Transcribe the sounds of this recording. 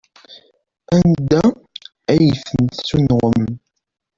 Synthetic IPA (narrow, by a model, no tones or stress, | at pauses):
ænd̪æ | æjθənsunʁəm